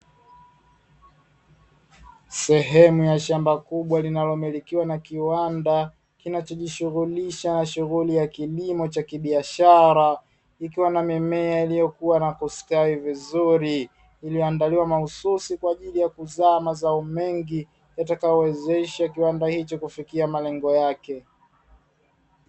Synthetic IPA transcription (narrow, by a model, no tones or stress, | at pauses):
sɛɦɛmujaʃambakuɓwalinalɔmilikiwanakiwanda | kinat͡ʃɔʄiʃuɣuliʃanaʃuɣulijakilimɔt͡ʃakiɓiaʃaɾa | ikiwanamimɛailijɔkuwanakɔskaivizuɾi | ilijɔandaliwamahususikwaːʄilijakuzaːmazaɔmɛŋɡi | jatakajɔwɛzɛʃak̬iwandahit͡ʃɔkufikiamalɛŋɡɔjakɛ